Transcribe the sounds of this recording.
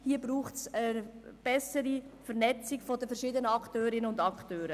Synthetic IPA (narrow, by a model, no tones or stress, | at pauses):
hiːəbɾuːχtsəb̥ɛsəɾifɛɾnɛt͡sɪɡfɔdəfɛrʃɪdənəɑktøːɾɪnəʊndɑktøːɾə